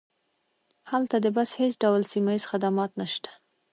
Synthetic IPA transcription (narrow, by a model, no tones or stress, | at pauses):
halt̪ad̪əbashesɖawlsimajiz̥xad̪amɑt̪naʃt̪ḁ